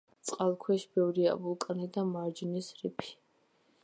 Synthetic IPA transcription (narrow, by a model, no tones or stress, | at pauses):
t̪sʼqʼalˠkʰwɛʃbɛvɾia̰bulˠkʼnid̪amaɾd͡ʒnisɾipʰi̥